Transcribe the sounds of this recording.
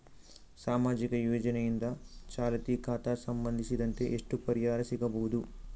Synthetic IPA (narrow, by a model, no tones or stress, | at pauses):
saːmaːd͡ʒikɐjuːd͡ʒɐnɐjind̪at͡ʃaːlɐt̪iːkʰaːt̪aːsɐmbɐnd̪ʱisid̪ɐɳʈeːʔeʂʈupɐɾjaːɾɐsikɐboːd̪u